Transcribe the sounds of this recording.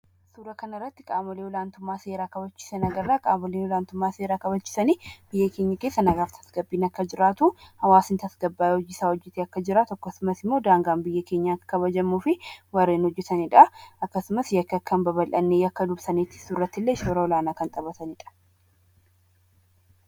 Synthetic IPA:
suːɾɐkɐnɐɪrːɐt̪ːɪkʼaːmɔlewɔlaːnt̪ʊmːaːse̞ːɾaːkɐbɐt͡ʃːɪ̥sɛnɐɡɐrːaːkʼaːmɔleːnwɔlaːnt̪ʊmːaːseːɾaːkɐbɐt͡ʃːɪ̥sɐniːb̥ɪjːɐke̞ːɲːɐke̞ːsːɐnɐɡaːft̪ʰɐ̥sɡɐbːiːnɐkːɐd͡ʒɪɾaːt̪uhɐwaːsɪnt̪ɐsɡɐbːaːjhɔd͡ʒːɪsaːhɔd͡ʒːɪt̪eɐkːɐd͡ʒɪɾat̪ɔkːɔsʊmɐsɪmːo̞ːd̪aːŋɡaːmbɪjːɐke̞ːɲːakɐβɐd͡ʒɐmːuːfɪwɐɾːeːnhɔd͡ʒːɛt̪ɐnɪᶑɐɐkːɐsʊmɐsjɐkːɐkːɐnbɐbɐlʔɐnːeːjɐkːɐd̪ʊbsɐnet̪ɪ̥surːɐt̪ːɪlːeʃoːɾɐɔlaːnaːkɐnt̪ʼɐbɐt̪ɐnɪᶑɐ̥

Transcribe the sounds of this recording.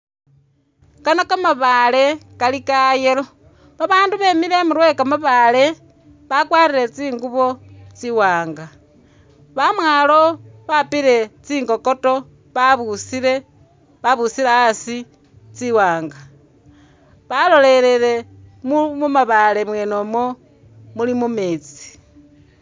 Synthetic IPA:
kanokamaβaːle̞kalikajelo̞ | βaβaːnduβe̞mile̞muɾwe̞kamaβale̞ | βakwaːɾiɾe̞t͡siːŋɡuβo̞t͡siwaːŋɡa | βamwaːlo̞βapiɾe̞t͡siːŋɡo̞ko̞to̞ | βaβusiɾe̞ | βaβusileasi | t͡siwaːŋɡa | βalo̞le̞ɾele̞ | mumumaβale̞mwe̞ːnomo | mulimumeːt͡si̥

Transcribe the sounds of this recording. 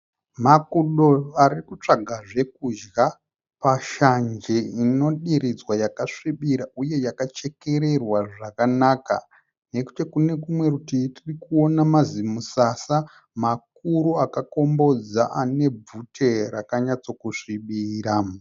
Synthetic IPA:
makuɗo̞arikut͡ʂaɡʱaʐe̞kud͡ʒɡa | paʃand͡ʒeino̞ɗiɾid͡zwajakaʂiɓiɾaʔuje̞jakat͡ʃe̞ke̞ɾe̞rwaʐakanaːka̰ | ne̞ku̥tekune̞kumwe̞rutitirikuo̞namazimusasa | mak̚uɾuakako̞mbo̞d͡zaʔane̞b͡vutʰe̞rakaɲat͡so̞kuʂiɓiːɾa

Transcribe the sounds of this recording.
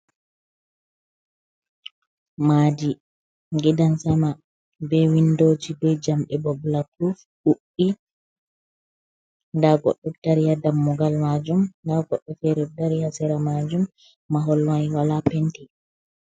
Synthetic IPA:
maːd͡ʒi | ŋɡidansama | bɛwindoːd͡ʒibɛd͡ʒamɓɛbɔbulakɾuf | ʔuʔːi | ndaɡɔ̰ɗːɔd̥aɾijadamːɔɡalmad͡ʒumndaɡɔɗːɔfɛɾɛdaɾihasɛɾamad͡ʒumː | aɦɔlwajwalapɛnti

